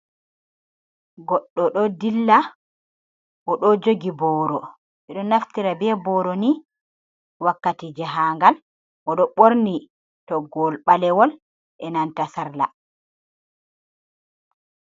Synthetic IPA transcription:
ɡɔɗːɔɗɔdilːa | ʔɔɗɔd͡ʒoɡibɔːɾɔ | ʔɛɗɔnaftiɾabɛbɔːɾɔni | wakːatid͡ʒɛɦaːŋɡal | ʔɔɗɔɓoɾni | tɔɡɔlɓalɛwɔl | ʔɛnantasaɾla̰

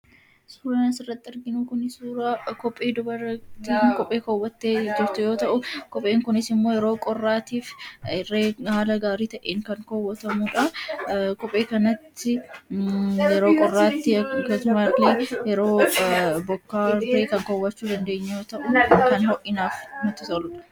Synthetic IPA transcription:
suːɾɐnɐsɪrːɐt̪ːɪɐɾɡɪnukʊnɪsuːɾakɔpʼːe̞ːd̪ʊbɐɾɐt̪iːkɔpʼːe̞ːkɔwːɐt̪ːeːd͡ʒɪɾt̪ʊjo̞ːt̪ɐʔʊkɔpʼːe̞ːŋkʊnɪsɪmːoːjɛɾo̞ːkʼɔrːaːt̪iːfɪreːhaːlɐɡaːɾiːt̪ɐʔeːŋkɐŋkɔwːɔt̪ɐmuᶑɐkɔpʼːe̞ːkɐnɐt̪ʰːɪ | jɛɾoːkʼɔrːaːt̪ːɪɡɐsʊmɐleːjɛɾo̞ːbɔkːaːbeːkɐŋkɔwːɐt͡ʃːuːd̪ɐnd̪e̞ːɲːɐjoːt̪ɐʔʊkɐnhɔʔɪnaːfnʊt̪ːɪt̪ɔlʊᶑɐ̥

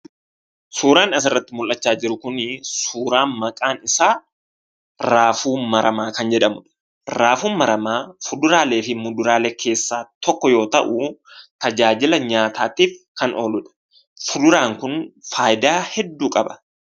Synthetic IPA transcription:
suːɾaːnɐs̬ɪrːɐt̪ːɪmʊlʔːɐt͡ʃːaːd͡ʒɪɾʊkʊnɪsuːɾaːnmɐkʼaːnɪsaː | ɾaːfuːmɐɾɐmaːkɐnd͡ʒɛᶑɐmʊᶑ | ɾaːfuːnmɐɾɐmaːfʊd̪ʊɾaːle̞ːfɪmʊd̪ʊɾaːleːkʰe̞ːsːaːt̪ɔkːɔjo̞ːt̪ɐ̰ʔʊt̪ɐd͡ʒaːd͡ʒɪlɐɲaːt̪ʰaːt̪iːfkɐnʔo̰ːlʊᶑɐ̥ | fʊd̪ʊɾaːŋkʊnfaːjd̪aːhɛd̪ːuːkʼɐbɐ̥

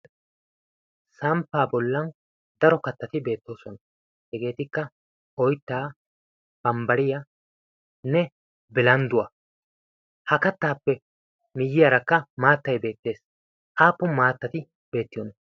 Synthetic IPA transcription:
sɐmpːaːbɔlːɐn | d̪ɐɾɔkɐt̪ːɐt̪ɪbe̞ːt̪ːo̞ːsɔnɐ | hɛɡe̞ːt̪ɪkːɐ | ʔɔjt̪ːaː | b̥ɐmbɐɾɪjɐ | nɛ | bɪlɐnd̪ʊwɐ | hɐkɐt̪ːaːpːɛ | mɪjːɪjɐɾɐkːɐmaːt̪ːɐjbe̞ːt̪ːe̞ːs | ʔaːpːʊmaːt̪ːɐt̪ɪ | b̥e̞ːt̪ːɪjɔːnɐ

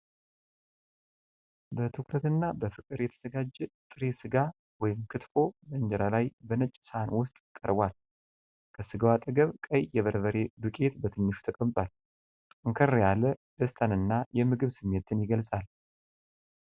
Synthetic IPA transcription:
bət̪ʰɨkɾət̪ɨnːabəfɨkʼɨɾjɛt̪ʰəz̥əɡad͡ʒːɛt̪ʼɨɾesɨɡa | wɔjɪmkʰɨt̪fo̞bəɨɲd͡ʒɛɾalajbənət͡ʃʼːsnwʊst̪ʼkʼːəɾbʷal | kʰəsɨɡawat̪ʼəɡəβkʼəjjɛβəɾβəɾe̞bɨkʼe̞t̪bət̪ʰɨnːɨʃu̥t̪ʰəkʼəmt̪ʼal | t̪ʼɨŋkʰərjalːəʔɨst̪ʰanɨnːajɛmɨɡɨβsɨmːe̞t̪ʰɨnjɪɡəlsʼal

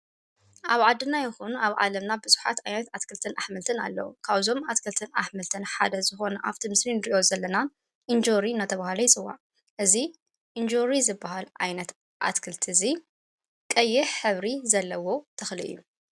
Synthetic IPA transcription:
ʔaβʕad̪ːɨnajɪxunaβʕa̰lɐmnabɨzu̥ħa̰t̪ajnɐt̪at̪kʰɨlt̪ʰɨnaħmɨlt̪ʰɨna̰lːɐ̰wukʰaβzo̞mat̪kʰɨlt̪ʰɨnaħmɨlt̪ʰɨnħa̰d̪ɐzɨxo̞nɐʔaft̪ʰimɨslinɾiʔo̞zɐlːɐna | ʔɨnd͡ʒoɾiɨnːat̪ʰɐβahlɐjɪt͡sʼɨwa̰ | ʔɨzi | ʔɨnd͡ʒoɾizɨbːaɦalʔajnɐt̪ | ʔa̰t̪kʰɨlt̪ʰɨzi | kʼɐjːɪħħɨβɾizɐlːɐwo̞t̪ʰɐxlɨʔɨ̰jːu

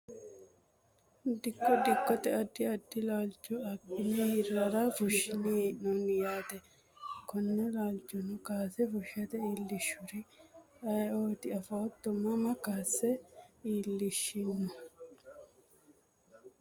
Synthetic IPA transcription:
d̪ɪkːɔd̪ɪkːɔt̪ɛɐd̪ːɪɐd̪ːɪlaːlt͡ʃːɔɐkːɪnɛhɪɾɐɾafʊʃɪninɔnɪjaːt̪ɛ | kɔnːɛlaːlt͡ʃːɔnʊkaːsɛfʊʃɐt̪ɛiːlːɪʃʊɾɪɐjoːt̪ɪɐfɐɔt̪ːɔmɐmɐkaːsːɛiːlːɪʃːinːʊ

